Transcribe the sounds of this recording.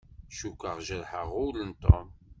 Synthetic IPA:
ʃukːəʁʒæɾħəʁʊlənt̪ˤo̰m

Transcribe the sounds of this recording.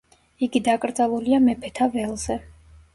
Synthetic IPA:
iɡid̪akʼɾd̪zalˠuliamɛpʰɛt̪ʰavɛlˠz̥ɛ

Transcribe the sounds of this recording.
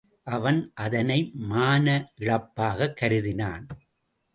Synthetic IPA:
ʔɐʋɐnʔɐðɐnɐɪmaːnɐʔɪɻɐpːaːɣɐkːɐɾɯðɪna̰ːn

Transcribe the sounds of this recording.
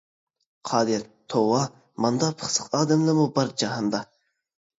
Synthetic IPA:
qʰɑːd̪ɨɾt̪ʰowɑ | mɑnd̪ɑpʰə̥χsə̥qɑːd̪ɛmlˠɨmubɑɾd͡ʒɑɦɑnd̪ɑ

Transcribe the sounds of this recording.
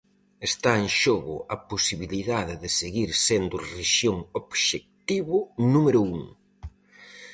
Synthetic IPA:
est̪aeŋʃoɣʊ̰ɐposiβiliðaðɪðɪseɣiɾsend̪ʊreʃjoŋoβʃek̚t̪iβʊnumeɾʊuŋ

